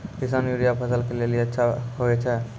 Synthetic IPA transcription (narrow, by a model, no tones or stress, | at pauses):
kisanjuɾijapʰəsəlkeleliətːʃʰaɦoɛt͡ʃʰɛ